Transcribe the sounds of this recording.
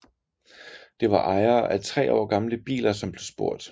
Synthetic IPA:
d̥e̝ʋɑ̈ʔɑ̈ɪɐːʔæt͡sʰʁɛ̰ːɒ̰ːɡ̥ɑ̈mləb̥ḭːlɐsɒ̽mb̥le̝sb̥o̝ɐ̰d̥

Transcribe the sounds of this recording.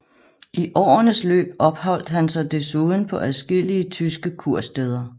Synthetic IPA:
iʔɒ̰ːnəslø̰ːb̥̚ɒ̽b̥hɒ̽l̰d̥hænsɒ̽ɪd̥e̝suðˠn̩pʰɒ̽ʔæðˠsɡ̥e̝l̰iət͡sʰysɡ̥əkʰuɐ̰sd̥eð̞ˠɐ

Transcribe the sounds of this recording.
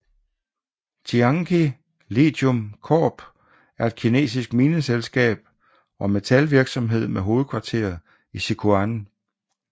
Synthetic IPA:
t͡sʰiɑ̈ŋkʰi | lḛd̥ɔmkʰɒ̰ːb̥ | æɐe̝d̥̚kʰine̝̰ːsisɡ̥miːnəselsɡ̥ɛ̰ːb̥̚ | ɒ̽me̝t͡sʰælʋiɐɡ̥sɒ̽mɦe̝ð̞̰ˠmeɦo̝ːð̞̩ˠkʰʋɑ̈t͡sʰe̝̰ːɐðˠ | isikʰuæn

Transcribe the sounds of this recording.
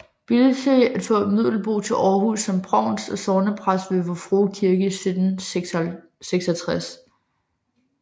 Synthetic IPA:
b̥ilt͡sʰeæd̥fɔ̰̽mið̞̰ˠl̩b̥o̝̰ːt͡sʰe̝lʔɒːɦusːɒ̽mb̥ʰʁɑ̈ʊ̰nsɒ̽sɒːnəpʰʁasʋe̝ʋɒfʁoːkʰiɐɡ̥əsid̥ˠn̩ | seɡ̥sɒt͡sʰʁas

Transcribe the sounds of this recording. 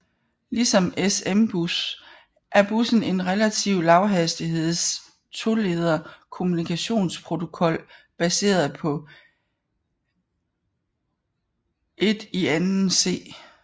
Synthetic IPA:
lisɒ̽mesemb̥us | ʔæɐb̥usn̩e̝nʁɛlæt͡sʰiʊlɑ̈ʊɦæsd̥iɦe̝ð̰ˠs | t͡sʰo̝le̝ð̞ˠɐkʰo̝munikʰæɕo̝̰ːnspʰʁo̝t͡sʰo̝kʰɒ̽l̰ | b̥æse̝̰ːɐð̩ˠpʰɒ̽ | e̝d̥iænn̩se̝̰ː

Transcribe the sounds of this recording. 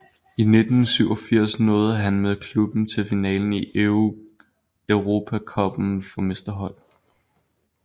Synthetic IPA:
ine̝d̥n̩syʊ̰ɒfiɐ̰snɔːð̩ˠɦænmeðˠkʰlub̥n̩t͡sʰe̝lfinɛ̰ːln̩i | œʊʁo̝ːpʰækʰɒ̽b̥n̩fɒ̽me̝sd̥ɐɦɒ̽l̰

